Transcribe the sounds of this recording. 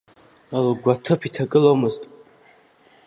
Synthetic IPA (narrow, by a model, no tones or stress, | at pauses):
alɡʷat̪ʰɨpʰit̪ʰakʼɨlomɨztʼ